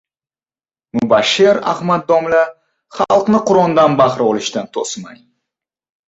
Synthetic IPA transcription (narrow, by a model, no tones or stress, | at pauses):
mʊbaʃeɾa̰hmad̪̚ːɒmla | χɑlˠqnɪqʰʊɾɒnd̪anbaχɾɒlɪʃt̪ant̪ʰosma̰j